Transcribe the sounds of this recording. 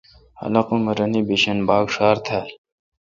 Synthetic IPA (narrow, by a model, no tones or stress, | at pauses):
hɐ̰lɐqumɐɾɐniːbiɕɐnbaːɡʂaːɾt̪ʰa